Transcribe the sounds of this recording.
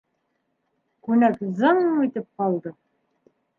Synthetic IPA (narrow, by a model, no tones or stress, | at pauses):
kʉnækzɑɴmijt̪ɘp̚qɑlˠd̪ɤ